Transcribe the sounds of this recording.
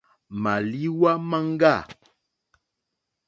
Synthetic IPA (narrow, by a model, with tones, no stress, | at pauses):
ma˨li˦wa˦ma˦ŋ˦ɡa˦˨